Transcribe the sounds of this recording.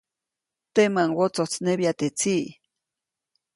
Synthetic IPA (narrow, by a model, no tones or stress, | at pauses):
t̪emaŋwot͡sot͡sneβjat̪et͡siʔ